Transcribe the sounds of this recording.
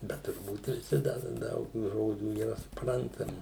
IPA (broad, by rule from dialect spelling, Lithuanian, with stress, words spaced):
ˈbʲɛt tʊrˈbuːt ʋʲɪˈsʲɪ ˈdɐ ˈdɐʊk tuː ˈʒoːd͡ʒʲuː iːˈrɐ sʊˈprɐntɐmʲɪ